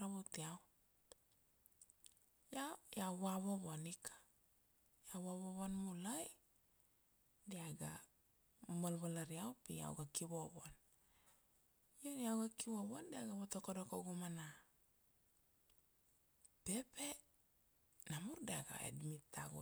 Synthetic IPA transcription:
ɾaβotiaw | jajawaβoβoanikʰḁ | jawaβoβanmulaj | diaɡa | malβalaɾiawpia̰wɡakiβoβan | joniawɡakiβoβandiaɡaβotokodokoɡumana | pe̞pe | namuɾdiaɡa̰ḛdmitaɡo̰

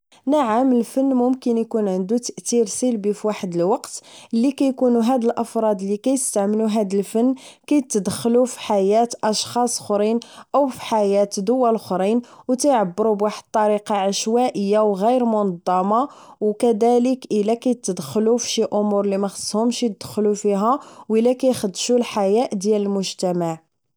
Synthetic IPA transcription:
naʕaməlfənːmʊmkənjkunʕənd̪ut̪əʔt̪iɾsilbifiwaħəd̪əlwɑqt̪ʔəlːikæjkunuɦæd̪əlʔɑfɾˤɑd̪əlːikæjəst̪aʕməluɦæd̪əlfənːkæjt̪ːəd̪xlufi̥ħajæt̪ʔɑʃxɑsˤxɾinʔəwfi̥ħajæt̪d̪ʊwælxɾinwt̪æjʕabːəɾubwaħəd̪̚t̪ˤːɑɾiqɑʕaʃwæʔəjːawɣijɾmʊnɑd̪ˤːɑmɑwkæd̪æləkʔəlækæjt̪ːəd̪xlufʃiʔʊmuɾˤlimæxə̥sˤːhʊmʃit̪əd̪̥xlufiɦæwəlːækæjxəd̪ːʃulħajæʔd̪jæləlmʊʒt̪æmaʕ

